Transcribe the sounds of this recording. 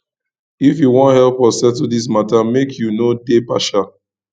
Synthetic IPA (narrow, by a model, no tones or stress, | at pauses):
ifjuwɔ̃nthɛlˠpɔssɛtudis̬matamekʰjunodepaʃa